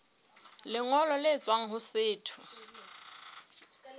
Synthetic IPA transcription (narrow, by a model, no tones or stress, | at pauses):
lɪŋɔlɔlɪt͡sʼwaŋ̩ɦʊsɪːtʰʊ̥